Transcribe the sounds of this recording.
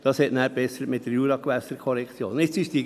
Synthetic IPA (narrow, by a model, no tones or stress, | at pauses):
d̥ɑshɛtnæːɾb̥ɛsəɾətmɪt̚d̥əɾjuːɾɑkʋæsəɾkʰɔɾɛkt͡sjo̰ːnɪt͡ssɪʃd̥i